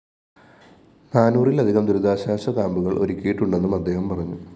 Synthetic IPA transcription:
naːnuːrilɐd̪ʱiɣɐmd̪uɾud̪aːɕaːɕɐkaːmbuɣɐɭʔo̞̰ɾukʲːijiʈːuɳɖe̞nːumɐd̪ʱːe̞ːhɐmpɐrɐɲːu

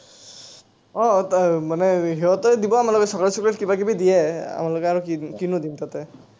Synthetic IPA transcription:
ɔmanɛɦiɦɔtɔdibɔamalɔkɛsɔkaɹsiplɛtkibakibidijɛa̰malɔkɛaɹukikinudimtatɛ

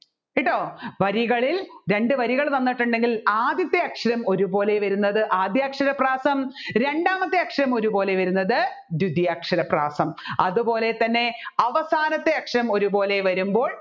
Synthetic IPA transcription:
iʈːoːʋɐɾiɣɐɭilɾe̞ɳɖɨʋɐɾiɣɐɭt̪ɐnːiʈːuɳɖe̞ŋɡilaːd̪jɐt̪ːeɐkʂɐɾɐmo̞ɾubo̞ːle̞ʋɐɾunːɐðɨʔaːd̪jaːkʂɐɾɐpraːsɐmɾe̞ɳɖaːmɐt̪ːeɐkʂɐɾɐmo̞ɾubo̞ːle̞ʋɐɾunːɐðɨ | d̪ud̪jaːkʂɐɾɐpraːsɐmɐ̰ðubo̞ːle̞t̪ɐnːe̞ɐʋɐsaːnɐt̪ːeɐkʂɐɾɐmo̞ɾubo̞ːle̞ʋɐɾumbo̞ːɭ

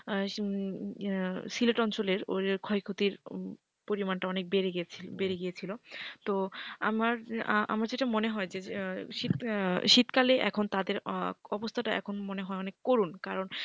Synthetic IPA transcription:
sileʈɔnt͡ɕoleɾo̰eɾkʰɔikʰot̪iɾ | poɾimanʈaɔnek̚beɾeɡʰibeɾeɡijet͡ɕʰilot̪oa̰maɾʔa̰maɾd͡ʑeʈamoneɦɔed͡ʑeʃit̪ʃit̪kaleʔɛ̰kʰont̪ad̪eɾɔbost̪ʰaʈaɛ̰kʰonmoneɦɔeɔnekːoɾunkaɾon

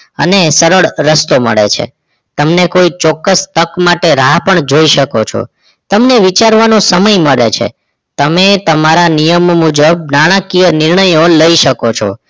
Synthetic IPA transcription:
ə̰nesəɾəɭɾəst̪omə̰ɭḛt͡ʃʰḛ | t̪əmnekoit͡ʃɔkːəst̪əkmaʈeɾaɦpəɳd͡ʒoiʃəkot͡ʃʰo̰ | t̪əmneʋit͡ʃaɾʋanosəməjməɭḛt͡ʃʰḛ | t̪əmet̪əmaɾanijəmmud͡ʒəb̚naɽ̃akijənɪɾɳəjoləiʃəkot͡ʃʰo̰

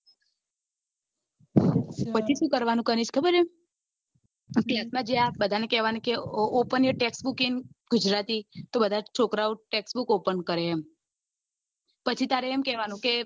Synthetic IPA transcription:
pət͡ʃʰiʃũkəɾʋanũkəɾiʃkʰəbəɾe | klasmãd͡ʒabəd̪ʱanekɛʋanukeopənjəʈeksbukiŋɡ̥ud͡ʒɾat̪it̪obəd̪ʱat͡ʃʰokɾauʈeksbukopəɳkəɾeːm | pət͡ʃʰit̪aɾeːmkɛʋanũke

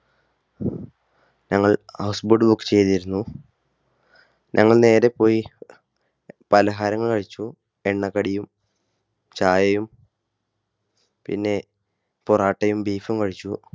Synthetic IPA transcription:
ɲɐŋːɐɭhɐwsbuɖɨbukːɨ̥t͡ɕe̞jt̪iɾunːu | ɲʔɐŋːɐɭne̞ːɾe̞pːo̞ːji | pɐlɐɦaːɾɐŋːɐɭkɐɻit͡ɕːu | eɳːɐkːɐɽijum | t͡ɕaːjɐjum | pḭnːe̞ | poraːʈːɐjumbiːfumkɐɻit͡ɕːu

